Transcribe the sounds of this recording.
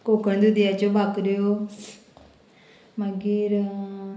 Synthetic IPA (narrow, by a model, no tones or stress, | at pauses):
koːkəɳd̪ud̪ɪjaːt͡ʃõbʱakɾejoː | maɡiɾ